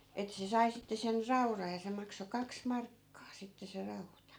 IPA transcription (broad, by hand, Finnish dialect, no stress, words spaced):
etːæ̆ se sɑi sitːe sen rɑurɑj jɑ se mɑkso kɑks mɑrkːɑː sitːe se rɑutɑ